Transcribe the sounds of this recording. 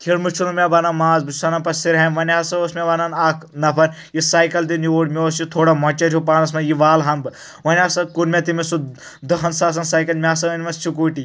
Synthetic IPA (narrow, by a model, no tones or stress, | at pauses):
t̪ʰiɽmɨt͡ʃʰunumʲebɐnɐnmaːzbɨsɐnɐnpɐsiɾɦɐnʋɐnʲasɐoːsmʲeʋɐnɐnaːkʰnɐpʰɐn | jisaːjkɐld̪inioːɽmʲeoːst͡ʃit̪ʰoːɽɐmɐt͡ʃɐɾʲjup̬aːnɐsmɐjiʋaːlɦɐmbɨ | ʋɐnʲaːsɐkuɾmʲɐt̪̬imisu | d̪ɐɦɐnsaːs̬ɐnsaːjkɐlmʲaːsɐʋɐnmɐst͡ʃʰik̬uːʈi